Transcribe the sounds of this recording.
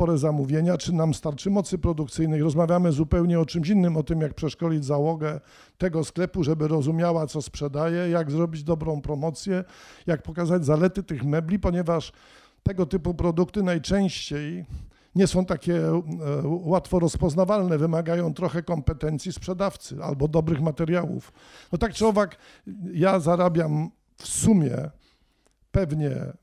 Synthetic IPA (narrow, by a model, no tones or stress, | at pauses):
ɔɾɛzamuvʲjeɲat͡ʂɘnamst̪aɾt͡ʂɘmɔt̪sɘpɾɔd̪ukt̪sɘjnɘxɾɔzmavʲjamɘzupɛwɲɛɔt͡ʂɘmɕinːɘmɔt̪ɘmjak̚pʂɛʂkɔlʲid͡ʑzawɔɡɛ | t̪ɛɡɔsklɛpuʐɛbɘɾɔzumʲjawat̪sɔspʂɛd̪ajɛjaɡzɾɔbʲid͡ʑd̪ɔbɾɔ̃w̃pɾɔmɔt̪sʲjɛjak̚pɔkazad͡ʑzalɛt̪ɘt̪ɘxmɛblʲipɔɲɛvaʂ | t̪ɛɡɔt̪ɘpupɾɔd̪ukt̪ɘnajt͡ʂɛ̃w̃ɕt͡ɕej | ɲɛsɔ̃w̃t̪akʲɛ | wat̪fɔɾɔspɔznavalnɛvɘmaɡajɔ̃w̃t̪ɾɔxɛkɔmpɛt̪ɛnt̪sʲjispʂɛd̪aft̪sɘ̰a̰lbɔd̪ɔbɾɘxmat̪ɛɾjawṵf | nɔt̪ak̚t͡ʂɨɔvak | jazaɾabʲjam | fsumʲjɛ̰ | pɛvɲɛ̰